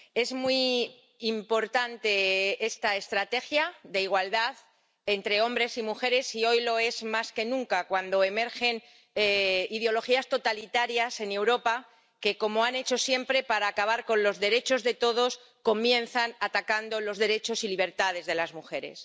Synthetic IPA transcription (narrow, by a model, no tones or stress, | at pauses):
e̞zmwiː | mpo̞ɾt̪ant̪e̞e̞st̪ae̞st̪ɾat̪e̞xjad̪eiɣ̞wald̪að | e̞nt̪ɾe̞o̞mbɾe̞simuxe̞ɾe̞sio̞jlo̞e̞zmaske̞nũŋkakwand̪o̞e̞me̞ɾxe̞n | eiðeo̞lo̞xiast̪o̞t̪alit̪aɾjase̞ne̞wɾo̞pa | ke̞ko̞moane̞t͡ʃo̞sje̞mpɾe̞paɾaːkaβ̞aɾko̞nlo̞zðe̞ɾe̞t͡ʃo̞zðe̞t̪o̞ð̞o̞s | ko̞mjẽ̞nθanat̪akand̪o̞lo̞zðe̞ɾe̞t͡ʃo̞siliβ̞e̞ɾt̪að̞e̞zðe̞lazmuxe̞ɾe̞̰s